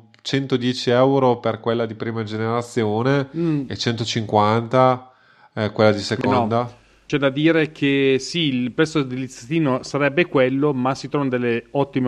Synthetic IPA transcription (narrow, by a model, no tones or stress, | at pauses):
t͡ʃɛnt̪od̪jɛːt͡ʃiɛwɾoperkwelːad̪ipɾiːmad͡ʒeneɾat̪sːjoːneet͡ʃɛnt̪ot͡ʃiŋkwant̪a | kwelːad̪isekonɔd̪a | t͡ʃɛd̪ad̪iːɾekʰesiilpɾɛt̪sːod̪ilit̪sat̪iːnosaɾɛbːekwelːomasːit̪ɾɔvanod̪elːeɔt̪ːime